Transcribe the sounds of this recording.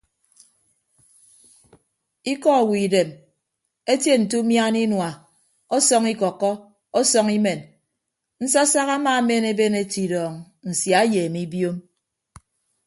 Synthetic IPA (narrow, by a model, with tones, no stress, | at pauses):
i˦kɔ˦˨wi˨de˨m | e˦tje˦n̩˨tu˦mja˦ni˦nwa˨ | ɔ˦sɔ˦ŋi˦kɔ˨kːɔ˦ | o˦sɔ˦ŋi˦me˨n | n̩˦sa˦sa˦ɣa˦maː˦˨˦me˦ne˦be˦ne˦ti˨dɔː˨ŋ | n̩˨sja˨˦jeː˨mi˦bjo˦m